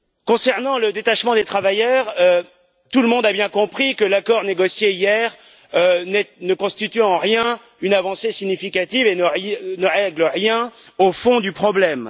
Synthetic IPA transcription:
kɔ̃sɛʁnɑ̃ləd̪et̪aʃmɑ̃d̪et̪χavajœʁø | t̪uləmɔ̃d̪abjɛ̃kɔ̃pχikəlakɔʁneɡɔsjeijɛʁ | ønɛnəkɔ̃st̪it̪yɑ̃ʁjɛ̃ | ynavɑ̃sesiɲifikat̪ivenənəʁɛɡləʁjɛ̃ofɔ̃d̪ypχɔblɛm

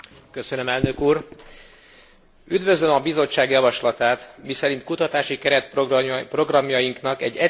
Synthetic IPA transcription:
kø̞sønø̞mɛlnø̞kuːr | yd̪vø̞zlømɒbizo̞t͡ʃːaːɡjɒvɒʃlɒt̪aːt̪misɛɾint̪̚kut̪ɒt̪aːʃikɛɾɛt̪̚ppro̞ɡrɒmjɒjiŋknɒkɛɟːɛ

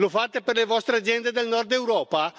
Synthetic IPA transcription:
lofat̪eperlevɔst̪ɾead̪zjɛnd̪ed̪elnɔɾd̪ewɾɔːpa

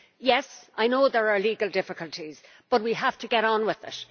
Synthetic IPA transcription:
jɛsʔaɪnoʊðə˞ə˞liːɡəlˠdɪfɪkəltʰiz̥ | b̥ʌt̚wiɦaftʰəɡɛɾn̩wɪðɪ̰t

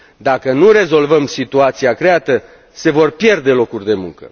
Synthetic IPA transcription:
d̪akənure̞zo̞lvəmsit̪uat̪siakɾe̞at̪ə | se̞vo̞rpje̞rd̪e̞lo̞kurʲd̪e̞mṵŋkə̰

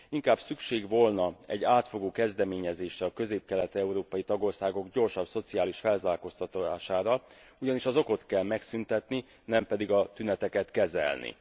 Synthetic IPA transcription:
iŋkaːb̥sykʃeːɡʋo̞lnɒɛ̰ɟːaːt̪fo̞ɡoːkɛzd̪ɛmeːɲɛzeːʃɛɒkø̞zeːp̚kɛlɛt̪ɛɛuɾoːpɒjit̪ɒɡo̞rsaːɡo̞ɡɟo̞rʃɒbso̞t̪siaːliʃfɛlzaːlko̞st̪ɒt̪aːʃaːɾɒ | uɟɒniʃɒzo̞ko̞t̪kɛlmɛksynt̪ɛt̪ni | nɛmpɛd̪iɡɒt̪ynɛt̪ɛkɛt̪kɛzɛ̰lnḭ

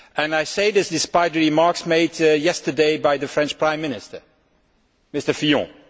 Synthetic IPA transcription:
ɨ̃najseɪðɪsdɪspaɪt̚dəɹimɑɹksmeɪdjɛstə˞deɪbaɪðəfɹɛ̃nt͡ʃpɹãɪ̃mːɪnɪstə˞ | mɪstə˞fijɔ̰̃

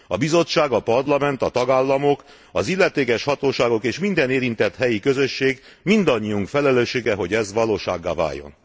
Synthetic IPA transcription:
ɒbizo̞t͡ʃːaːɡɒpɒrlɒmɛnt̪ɒt̪ɒɡaːlːɒmo̞k | ɒzilːɛt̪eːkɛʃhɒt̪oːʃaːɡo̞keːʃmind̪ɛneːɾint̪ɛt̪hɛjikø̞zø̞ʃːeːɡ | mind̪ɒɲːiuŋkfɛlɛløːʃːeːɡɛɦo̞ɟɛzʋɒloːʃa̰ːɡːa̰ːva̰ːjːo̞̰n

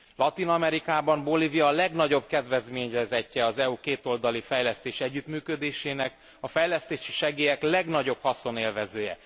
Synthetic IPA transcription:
lɒt̪inɒmɛɾikaːbɒmbo̞livijɒːlɛɡnɒɟo̞bkɛd̪ʋɛzmeːɲrɛzɛcːɛɒzɛukeːt̪o̞ld̪ɒlifɛjlɛst̪eːʃɛɟːyt̪myːkød̪eːʃeːnɛk | ɒfɛjlɛst̪eːʃi̥ʃɛɡeːjɛklɛɡnɒɟo̞phɒso̞neːlvɛzøːjɛ̰

